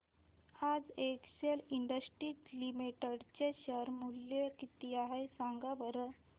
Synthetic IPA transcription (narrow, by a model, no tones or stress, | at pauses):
had͡zekɕeliɳɖəsʈɾiklimiʈəɽt͡ɕeɕəɾmulːjekit̪iaɦesaŋɡabəɾə